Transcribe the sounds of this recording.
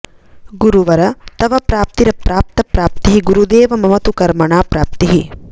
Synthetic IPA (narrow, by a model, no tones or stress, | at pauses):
ɡuɾuʋɐɾɐt̪ɐʋɐpɾaːp̚t̪iɾɐpɾaːp̚t̪ɐpɾaːp̚t̪iɦiɡuɾud̪eːʋɐmɐmɐt̪ukɐɾmɐɳaːpɾaːp̚t̪iɦi